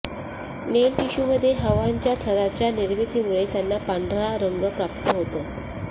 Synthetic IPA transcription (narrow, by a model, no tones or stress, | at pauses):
nelkiɕuməd̪ʱːjeɦəʋaɲt͡ɕjat̪ʰəɾat͡ɕjaniɾʋit̪iːmuɭet̪janːapaɳɖʱɾaɾəŋɡəpɾapt̪əɦot̪ə